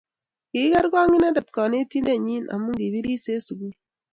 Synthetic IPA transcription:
ki˦ka˦ɾɡɔ˦ŋi˦na˦dɐ˨tkɔ˨ne˦ti˦nde˦ɲi˦na̰˨mːu˦ŋɡi˨bi˦ɾi˦se˦su˨ɡu˦

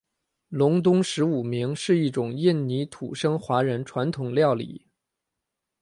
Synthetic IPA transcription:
lʊ˧˥ŋt̪̬ʊ˥ŋʂɻ̩˧˥u˨˩mi˧˥ŋʂɻ̩˥˧i˥˩ʈ͡ʂʊ˨˩ŋji˥˩nni˧˥t̪ʰṵ˨˩ʂɤ˥ŋxwa˧˥ɻə˧˥nʈ͡ʂʰwa˧˥nt̪ʰʊ˨˩ŋljɑ˥˩ʊlḭ˨˩˦

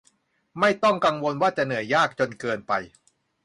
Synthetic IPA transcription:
ma˥˩jt̪ɔ˥˩ŋka˧ŋwo˧nwaː˥˩t͡ɕa˨˩nɯ˩˦əjaː˥˩k̚t͡ɕo˧nkɤː˧npa˧j

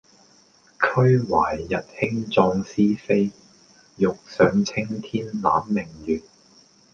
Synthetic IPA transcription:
kʰɵ˥ɥwaː˨˩jːɐ˨t̚hɪ˥ŋt͡sɔː˧ŋsiː˥fe˥j | jʊ˨k̚sœː˨˧˥ŋt͡sʰɪ˥ŋt̪ʰiː˥nla̰ː˨˥mːɪ˨˩ŋjyː˨t̚

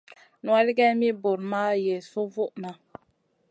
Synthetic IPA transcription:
nu˨˦a˦li˦ɡɛ˦mi˦bo˨ɾma˦je˨su˦vu˦ʔna˨

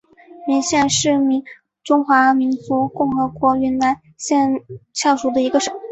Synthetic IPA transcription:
mi˧˥ŋɕjɛ˥˧nʂɻ̩˥˩mi˧˥ŋ | ʈ͡ʂʊ˥ŋxwa˧˥mi˧˥nt͡su˧˥kʊ˥˩ŋxɤ˧˥kwɔ˧˥ɥɛ˧˥nna˧˥n | ɕjɛ˥˧nt͡ɕʰjɑ˥˩ʊʂu˨˩d̪ə˧i˧˥ɡə˧ʂ

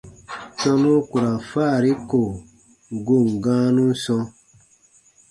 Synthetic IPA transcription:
sɔ̃˧nũ˦ku˨ɾa˨faː˦˨ɾi˦ko˨ | ɡo˦˨mɡãː˦nũ˦sɔ̃˧

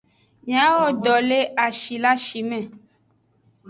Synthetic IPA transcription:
ɲ˨ã˨˦wɔ˦ɖɔ˨le˦ʔa˨ʃi˨la˦ʃi˨mɛ̃˦˨

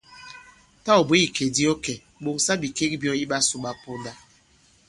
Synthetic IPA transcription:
ta˦ɔ˨be˦i˨ke˨di˦ɔ˦kɛ˨ | ɓo˨ŋsa˦bi˨ke˦k̚bjɔ˦i˦ɓa˦su˨ɓa˦po˦nda˦

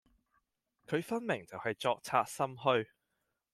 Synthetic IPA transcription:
kʰɵ˨˧ɥfɐ˥nmɪ˨˩ŋt͡sɐ˨whɐ˨jt͡ʃɔː˧k̚t͡sʰaː˧t̚sɐ˥mɦɵ˧ɥ

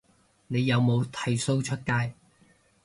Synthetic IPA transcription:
ne˨˧jːɐ˨˧wmo˨˧wt̪ʰɐ˨˥jso˥wt͡ʃʰɵ˥t̚kaː˥j

